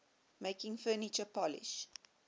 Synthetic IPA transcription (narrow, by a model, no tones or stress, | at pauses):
meɪkɪ̃ŋfɜːnɪt͡ʃəpɔlɪ̰ʃ